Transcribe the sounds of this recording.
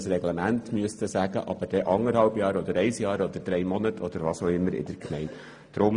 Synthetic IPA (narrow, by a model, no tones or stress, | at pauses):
srɛɡlɛmæntmyəst̪əsæɡə̰ʔɑb̥əɾd̥ɛʔɑŋəɾhɑlbjɑːɾɔd̪əɾɛɪsjɑːɾɔd̪əɾd̥̪ɾɛɪmɔnətʰɔd̪əɾvɑsoʊɪmːəɾɪ̰d̥̪əɾkʰmɛɪn | d̪̥ɾʊm